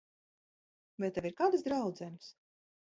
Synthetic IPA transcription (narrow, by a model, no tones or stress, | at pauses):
vɛt̪ɛviɾkaːd̪ɨsd̪ɾawd̪zɛnɨs